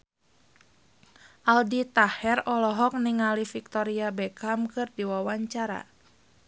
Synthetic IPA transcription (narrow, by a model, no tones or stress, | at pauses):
ʔaldit̪ahɛrɔlɔɦɔk̚niŋalifik̚t̪ɔɾiabɛkamkɨrdiwawaɲt͡ʃaɾa̰